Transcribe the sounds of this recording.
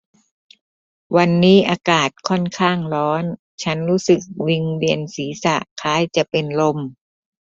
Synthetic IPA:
wa˧nːiː˦˥ʔaː˧kaː˨˩t̪̚kʰɔ˥˩nkʰaː˥˩ŋɾɔː˦˥n | t͡ɕʰa˦˥nɾuː˦˥sɯ˨˩k̚wi˧ŋli˧ənsiː˩˦sa˨˩ʔkʰaː˦˥jt͡ɕa˨˩ʔpe˧nlo˧m

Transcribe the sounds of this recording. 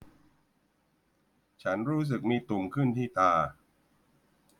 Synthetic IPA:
t͡ɕʰa˦˥nɾuː˦˥s̬ɯ˨˩k̚miː˧t̪u˨˩ŋkʰɯ˥˩nt̪ʰiː˥˩t̪aː˧

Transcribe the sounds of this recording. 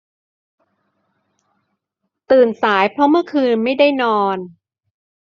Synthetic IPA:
t̪ɯː˨˩nsaː˩˦jpʰɾɔ˦˥mɯ˥˩ɐkʰɯː˧nma˥˩jda˥˩jnɔː˧n

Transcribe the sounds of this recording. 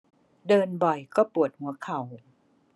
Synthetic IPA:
dɤː˧nbɔ˨˩jkɔː˥˩pu˨˩ət̪̚hu˩˦ɐkʰa˨˩w

